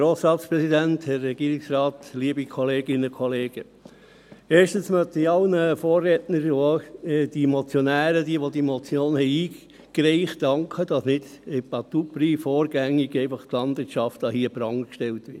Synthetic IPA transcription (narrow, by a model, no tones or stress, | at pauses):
ɾoːsɾɑːtspɾɛsidænthɛɾːɛɡ̥iəɾɪksɾɑːtliːəbikʰɔleːɡɪnəkʰɔleːɡ̥ə | eːɾʃtənsmœt̪əiɑlnəfoːrːɛtnəɾod̥imot͡sjɔnæːɾədiəʋodimot͡sjoːnhɛɪiː | kɾɛɪχtɑŋkʰχəd̥ɑsnɪd̥ɛpɑt̪upɾiːfoːɾɡ̥æŋːiɡɛɪfɑχt̪lɑnd̥ʋɪːtt͡ʃɑftɑhiəbɾɑŋkʃtɛlt̪ʋɪt